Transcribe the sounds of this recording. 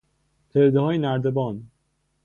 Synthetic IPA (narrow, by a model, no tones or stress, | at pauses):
pʰeɾd̪ehɒːjenæɾd̪ebɒːn